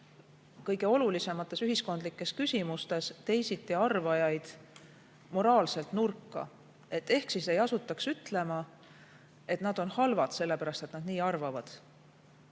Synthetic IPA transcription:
kɤjɡ̥e̞o̞lulise̞mɑt̪ːˑe̞syɦisko̞nd̪likːˑe̞skysʲimust̪e̞st̪e̞jsit̪ːiɑrvɑjɑjd̪̥ | mo̞ɾɑːlse̞lt̪nurkːɑ̰ | e̞t̪ːe̞hksise̞jɑsut̪ːˑɑksyt̪ˑle̞mɑ | e̞t̪nɑd̪̥o̞nhɑlvɑd̪̥se̞lːe̞pæɾɑst̪e̞t̪nɑd̪̥niːɑrvɑvɑd̪̥

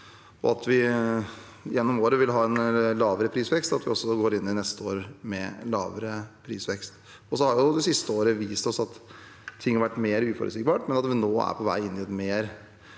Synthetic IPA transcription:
ɔ̰ɑt̪ʋɪ | jɛnːɔmoːɾəʋɪlɦɑːɛnlɑːʋəɾəpʰɾiːsʋɛkst̪ɑt̪ʋɪɔsːɔɡoːɾɪnːɪnɛst̪əoːɾmɛlɑ̰ːʋəɾəpʰɾiːsʋɛkst̪ | ɔsɔhɑɾjʊd̪ɛsɪst̪əoːɾəʋiːst̪ɔsɑt̪ʰː | ɪŋːhɑɾʋæʈːmeːɾʉːfɔ̰ɾə̰skbɑːʈmɛnɑt̪ʋɪnoːæ̰ɾpʰɔʋæ̰ɪɪnːɪɛt̪meːɾ

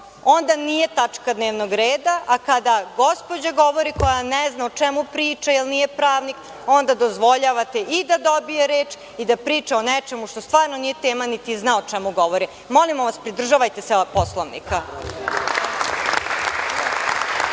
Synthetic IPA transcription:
o̞nd̪anije̞t̪at͡ʃkad̪neːʋnoɡɾeːd̪aʔakad̪aɡo̞spo̞d͡ʑaɡo̞ʋo̞ɾiko̞janeznaot͡ʃemupɾiːt͡ʃajilˠnijepɾaːʋnik | o̞nd̪ad̪ozʋo̞ʎaʋat̪e̞ʔid̪ad̪o̞bijeɾe̞ːt͡ʃ | id̪apɾiːt͡ʃaonet͡ʃe̞muʃt̪ost̪ʋaːɾnonije̞t̪eːmanit̪iznaot͡ʃɛmuɡo̞ʋo̞ɾi | mo̞limoʋaspɾid̪r̩ʒaʋajt̪eseposlˠoʋnḭka

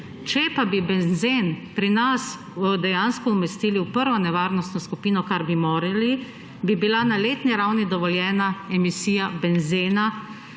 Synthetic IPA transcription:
t͡ʃɛpabibɛnzenpɾinas | d̪ɛjanskɔumɛst̪iːliwpəɾʋɔnɛʋaːɾnɔst̪nɔskupiːnɔkaɾbimoːɾili | bibilanaleːt̪niɾawnid̪ɔʋɔljɛːnaɛmisiːjabɛnzena

